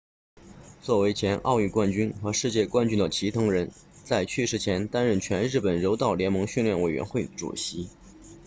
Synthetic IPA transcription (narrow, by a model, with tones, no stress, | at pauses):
t͡swɔ˥˩we˧˥ɪt͡ɕʰjɛ˧˥nʔɑ̰˥˧ʊy˥˧kwa˥˩nt͡ɕy˥nxɤ˧˥ʂɻ̩˥˧t͡ɕjɛ˥˩kwa˥nt͡ɕy˥nd̪ə˨t͡ɕʰi˧˥t̪ʰɤ˧˥ŋɻə˧˥n | t͡sa˥˧ɪt͡ɕʰy˥˧ʂɻ̩˥˩t͡ɕʰjɛ˧˥nt̪a˥nɻə˥˩nt͡ɕʰɥɛ˧˥nɻɻ̩˥˩pə˨˩nɻo˧˥ʊt̪ɑ˥˩ʊljɛ˧˥nmɤ˧˥ŋɕy˥˧nljɛ˥˩nwe˨˩ɪɥɛ̰˧˥nxwe˥˩ɪʈ͡ʂṵ˨˩ɕi˧˥